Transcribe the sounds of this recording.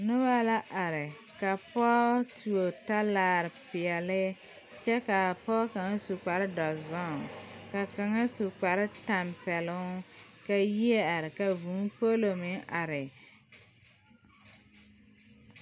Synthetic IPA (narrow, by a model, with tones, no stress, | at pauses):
nʊ˦ba˦la˦ʔa˨ɾɪ˨ | ka˨pɔː˦tu˨o˨ta˦laː˦˨ɾɪ˨pɪ˨ɛ˨lɪ˦ | t͡ʃɛ˦ka˨pɔ˦ka˨ŋa˦su˨k͡pa˨ɾɪ˦dɔ˨zɔ˦˨ŋka˨ka˨ŋa˦su˨k͡pa˨ɾɪ˦ta˨mpɛ˨lʊ˦ka˨ji˦e˦a˨ɾɪ˨ka˨vuː˨˦po˦lo˨mɪ˦ŋʔa˨ɾɪ˨